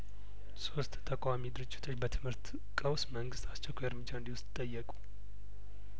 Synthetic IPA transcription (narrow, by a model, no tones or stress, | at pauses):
so̞st̪ʼt̪ʰəkʷʼamid̪ɨɾɨd͡ʒːɪt̪ʰo̞t͡ʃːbət̪ʰɨmhɨɾt̪ | kʼəwsməŋɡɨst̪ʰʼast͡ʃːɛkʷʰaəɾmɨd͡ʒːaɨnd̪iwʊst̪ʼt̪ʼəjːɛkʼu̥